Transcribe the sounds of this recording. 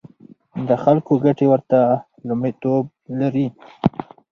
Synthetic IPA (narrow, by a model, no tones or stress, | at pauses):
d̪əxalkoɡaʈewəɾt̪a | lʊmit̪ob̚laɾi